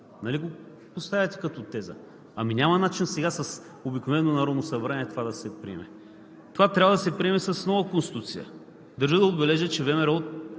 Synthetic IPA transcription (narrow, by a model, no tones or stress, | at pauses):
nɐliɡo | post̪avʲət̪ɛ̥kɐt̪ot̪ɛzə̰ | ɐmiɲʲamɐnat͡ʃinsɛɡasɐs | obiknovɛnonɐɾɔd̪nosɐbɾaniɛt̪ovad̪ɐsɛpɾḭɛ̰mɛ | t̪ovat̪ɾʲabɐəd̪ɐsɛpɾiɛmɛsɐsnɔvəkonst̪i̥t̪ut̪sijə̰ | d̪ɐɾʒid̪ɐod̪bɛlɛʒət͡ʃɛvɛmɛɾot̪̚